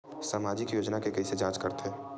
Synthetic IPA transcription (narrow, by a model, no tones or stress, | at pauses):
saːmaːd͡ʒɪkjoːd͡ʒnakekɐised͡ʒãːt͡ʃkɐɾt̪ɦeː